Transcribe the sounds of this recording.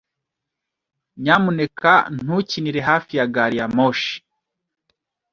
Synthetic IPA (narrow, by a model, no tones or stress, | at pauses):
ɲamunekan̥huciniɾeɦaːfijaɡaɾijamoʃi̥